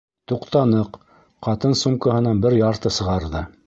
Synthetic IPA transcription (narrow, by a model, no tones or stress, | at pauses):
t̪uqt̪ɑnɤq | qɑt̪ɤnsumkɑɦɤ̆nɑnbɘɾjɑɾt̪ɤsɤ̆ʁɑɾðɤ